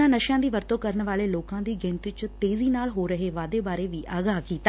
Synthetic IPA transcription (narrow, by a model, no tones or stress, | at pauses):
ãːnəʃjãːd̪iːʋəɾt̪oːkəɾəɳʋaːleːloːkãːd̪iːɡɪ̃nt̪it͡ʃt̪eːziːnaːlɦoːɾəɦeːʋaːd̪eːbaːɾeːʋiːʔaːɡaːkiːt̪aː